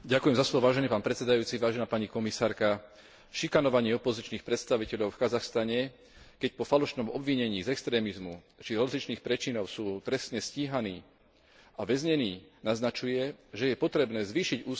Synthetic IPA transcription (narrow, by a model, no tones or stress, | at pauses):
ɟakujɛmzaslɔʋɔʋaːʒɛniːpaːnpɾɛt̪t͡ssɛd̪ajuːt͡siʋaːʒɛnaːpaɲikɔmisaːɾka | ʃikanɔʋaɲɪɛɔpɔzit͡ʃniːxpɾɛt̪st̪aʋicɛʎɔʊfkazaxst̪aɲɛ | kɛc̚pɔfalɔʃnɔmɔbʋiɲɛɲiːzɛkst̪ɾɛːmizmu | t͡ʃiɾɔzlit͡ʃniːxpɾɛt͡ʃinɔʊsuːt̪ɾɛsɲɛsciːɦaniː | aʋɛzɲɛniːnaznat͡ʃujɛʒɛjɛpɔt̪ɾɛbnɛːzʋiːʃiɟuː